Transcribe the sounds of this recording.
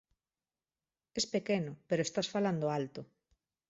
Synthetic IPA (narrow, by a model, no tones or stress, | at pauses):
espekenopeɾoest̪asfaland̪oalt̪o